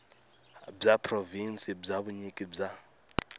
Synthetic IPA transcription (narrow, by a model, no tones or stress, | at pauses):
b͡ʐapʰrovinsʼib͡ʐaβuɲikʼib͡ʐa